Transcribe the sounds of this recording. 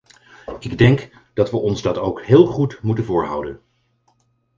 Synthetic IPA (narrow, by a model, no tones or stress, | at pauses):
ɪɡdɛŋk | d̥ɑtʋəʔɔnzdɑtowkɦɪːlˠχutmutənvʊːɹɦʌ̰wdən